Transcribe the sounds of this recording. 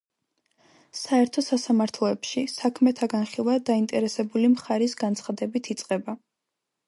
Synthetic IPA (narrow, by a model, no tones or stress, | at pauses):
saɛɾt̪ʰɔsasamaɾt̪ʰlˠɔɛpʃisakʰmɛt̪ʰaɡanχilˠwad̪aint̪ʼɛɾɛsɛbulimχaɾisɡant̪sʰχad̪ɛbit̪ʰit̪sʼqʼɛba